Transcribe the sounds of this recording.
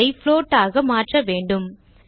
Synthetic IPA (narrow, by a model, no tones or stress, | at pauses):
ɪfloːʈːaːɣɐmaːʈrɐʋeːɳɖɯm